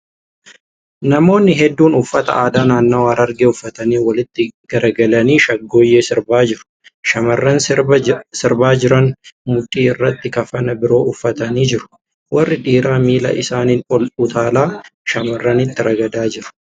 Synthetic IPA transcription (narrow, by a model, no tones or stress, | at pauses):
nɐmo̞ːnːɪɦɛd̪ːuːnʊfːɐt̪ɐ̰ʔaːd̪aːnaːnːoːɐɾɐɾɡeʊfːɐt̪ɐniːwɐlɪt̪ːɪɡ̥ɐɾɐɡɐlɐniːʃɐɡːo̞ːjːeːsɪɾbaːd͡ʒɪɾʊ̥ | ʃɐmɐrːɐn | sɪɾbaːd͡ʒɪɾɐnmʊᶑ̪ʼːiːɪrːɐt̪ːɪkɐfɐnɐbɪɾo̞ːʊfːɐt̪ɐniːd͡ʒɪɾʊ̥ | wɐrːɪᶑiːɾaːmiːlɐ̰ʔɪsaːniːnɔlʊt̪ʰaːlaːʃɐmɐrːɐnɪt̪ːɪɾɐɡɐd̪aːd͡ʒɪɾʊ̥